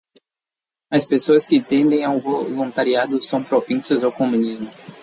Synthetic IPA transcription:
ɐspesoɐskɪt̪ẽnd̪ẽj̃awvolũnt̪aɾiad̪ʊsɐ̃w̃pɾopẽsɐzawkomũnizmʊ

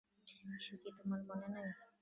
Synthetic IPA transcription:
aʃokit̪omaɾmonenaa

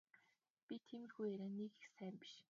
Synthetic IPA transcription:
pʲit̪ʰemɘ̆xujæɾaːnekixsæːmpi̥ʃ

